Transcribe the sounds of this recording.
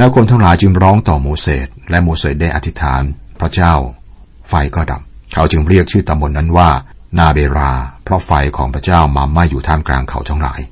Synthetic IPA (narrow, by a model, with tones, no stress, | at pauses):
lɛː˦˥wkʰo˧nt̪ʰaː˥˩ŋlaː˨˦jt͡ɕɯ˧ŋɾɔː˦˥ŋt̪ɔː˨˩moː˧seː˨˩t̪̚lɛ˦˥moː˧seː˨˩t̪̚daː˥˩jʔa˧t̪ʰi˦˥t̪ʰaː˩˦npʰɾa˦˥t͡ɕaː˥˩w | fa˧jkɔː˥˩da̰˨˩p̚kʰa˨˦wt͡ɕɯ˧ŋɾi˥˩ək̚t͡ɕʰɯː˥˩t̪a˧mbo˧nːa˦˥nwaː˥˩ | naː˧˩beː˧ɾaː˧pʰɾɔ˦˥fa˧jkʰɔː˩˦ŋpʰɾa˥t͡ɕaː˥˩wmaː˧ma˥˩jːuː˨˩t̪ʰaː˧mkla̰ː˧ŋkʰa˨˩wt̪ʰa˦˥˩ŋla̰ː˩˦j